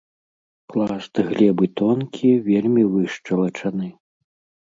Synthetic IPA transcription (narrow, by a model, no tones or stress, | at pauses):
klˠast̪ɨɣlʲɛbɨt̪ɔnkʲʰivʲelʲmʲivɨʂt͡ʂɐlˠɐt͡ʂɐnɨ